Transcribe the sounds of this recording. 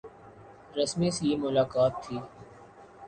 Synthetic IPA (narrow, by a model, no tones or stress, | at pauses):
ɾɐsmĩsijimʊlaːkaːt̪ʰːiː